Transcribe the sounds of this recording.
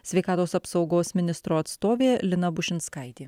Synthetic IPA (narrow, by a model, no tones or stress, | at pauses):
sʲʋʲɛɪkɑːt̪oːsɐpsɒʊɡoːsmʲɪnʲɪst̪ɾoːt̪st̪oːʋʲeːlʲɪnɐbʊʃʲɪnskɐɪt̪ʲiː